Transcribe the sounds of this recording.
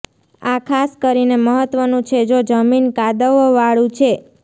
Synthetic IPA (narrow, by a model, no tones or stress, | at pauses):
akʰaskəɾineməɦət̪ʋənũt͡ʃʰed͡ʒod͡ʒəminkad̪əʋʋaɭũt͡ʃʰe